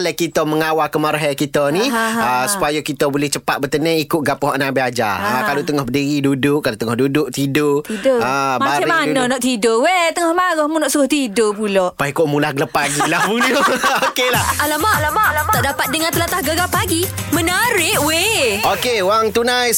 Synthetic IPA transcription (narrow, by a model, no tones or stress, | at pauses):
lɛkit̪əməŋawakəmaɾɦɛkit̪əniəsu̥pajakit̪əbolɛht͡ʃəpat̪̚bət̪ənɛ̃ikʊʔ̚ɡapɦɔʔnãbiad͡ʒa̰akalot̪əŋɔhbədiɣidudʊʔkːalot̪əŋɔhdudʊʔ̚t̪idotidoəmbaaɾmananɔʔt̪idoʔwet̪əŋɔhmaɾɔhmunɔʔsəɣɔht̪idopulɔʔpaikoʔmulaɡələpːaɡilahbudiookelahalamat̪ɔʔdapat̪̚dəŋãnt̪əlat̪ahɡaɡapaɡi | mənəɾɪʔweokewaŋt̪unajs